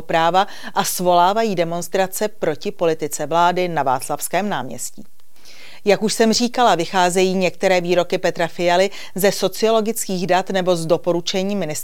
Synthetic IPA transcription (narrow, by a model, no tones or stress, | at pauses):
pɾaːva | ʔasvo̞laːvajiːdɛmo̞nst̪ɾat͡sɛpɾo̞cɪpo̞lɪt̪ɪt͡sɛvlaːdɪnava̰ːt͡slafskɛːmna̰ːmɲɛ̰scḭː | jakuʃsɛmr̝iːkalavɪxaːzɛjiːɲɛkt̪ɛɾɛːviːɾo̞kɪpɛt̪ɾafɪjalɪ | zɛso̞t͡sɪo̞lo̞ɡɪt͡skiːɣdat̪nɛbo̞zdo̞po̞ɾut͡ʃɛɲiːmɪnɪs